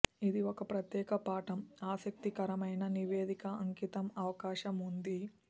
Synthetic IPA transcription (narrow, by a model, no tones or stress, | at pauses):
id̪iokɐpɾɐt̪jɛːkɐpaːʈɐmaːsɐk̚t̪ikɐɾɐmɐjnɐniʋeːd̪ikɐɐŋkit̪ɐmɐʋɐkaːʃɐmund̪i